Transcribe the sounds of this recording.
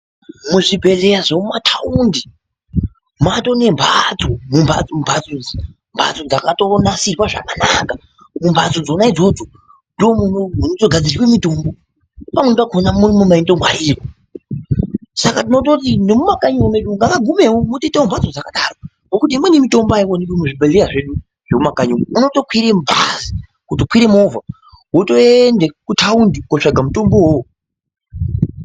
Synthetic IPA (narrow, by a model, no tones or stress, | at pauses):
muʐibʱe̞ɮe̞jaʐoumatʰaundi | mato̞ne̞mbʱat͡somumbʱa̰d͡zmbʱad͡zod͡zi | mbʱa̰t͡sod͡zakatonasirwaʐa̰kanaka | mumbʱad͡zod͡zonaid͡zo̞d͡zo̞ | ndoomunomunod͡zoɡʱad͡ziriwemito̞mbo | pamwepakʰonamunomumaindo̞mwaiːko | sakat̬ino̞tot̬indemumakaɲuomeɗuŋɡakaɡʱume̞womotoitaombwad͡zod͡zakaɗaːɾo | ŋokut̬iːmwe̞nimito̞mboaikonipomuʐibʱeleraʐe̞ɗu | ʐ̥emumakaɲuouno̞to̞kwiɾem̩bʱazi | kutokwiɾemovʱa | woto̞endekutʰaundikoʂaɡʱamuto̞mboɦowo